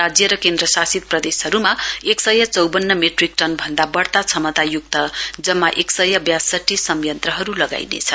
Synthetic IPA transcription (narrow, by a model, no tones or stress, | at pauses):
ad͡zjʌɾʌkend̪ɾʌsasit̪̚prʌd̪esɦʌɾumaeksʌjat͡sʌwbʌnːʌmeʈrik̚ʈʌnbʱʌnd̪abʌɽt̪at͡sʰʌmʌt̪ajuk̚t̪ʌd͡zʌmːaʔeksʌjʌbjasʌʈːisʌmjʌnt̪rʌɦʌɾulʌɡa̰jnḛt͡sʰʌ